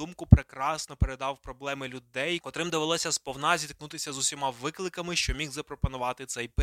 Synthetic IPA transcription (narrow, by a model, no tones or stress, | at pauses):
umkʊpɾekɾɑsnɔpeɾed̪ɑwpɾɔblˠɛmɪlʲʊd̪ɛjkɔt̪ɾɪmd̪eʋɪlˠɔsʲɐspɔwnɑzʲit̪k̚nut̪ɪsʲɐzʊsʲimɑʋɪklˠɪkɐmɪʃt͡ʃɔmʲiɣzɐpɾɔpɔnʊʋɑt̪ɪt̪sɛjp